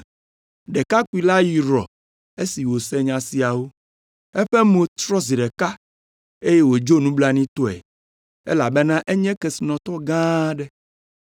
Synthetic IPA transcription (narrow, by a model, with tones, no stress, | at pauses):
ɖɛ˨ka˦ku˦i˨la˦ji˨ɾɔ̰˨ | e˦si˨wo˨sɛ˦ɲã˨si˨a˨wo˦ | ɛ˦ɸɛ˦mõ˨t̪ɾɔ˦zi˨ɖɛ˨ka˦ | e˦jɛ˦wo˨d͡ʒo˦nũ˦bla˦nĩ˦t̪ɔ˦ɛ̰˨ | ɛ̰˦la˨bɛ˦nã˦ʔɛ˦ɲɛ̃˦kɛ˨si˨nɔ̃˨t̪ɔ˦ɡã˦ɖɛ˦